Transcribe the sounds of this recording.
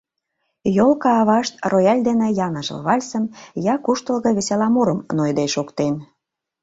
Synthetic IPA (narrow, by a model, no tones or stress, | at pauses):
jolkɑːβɑʃt̪̚rojɑlʲd̪enĕjɑnəʒə̰lβɑlʲsə̆njɑkuʃt̪ə̆lɣɤ̆βeselɑmoɾəmnojd̪eʃokt̪en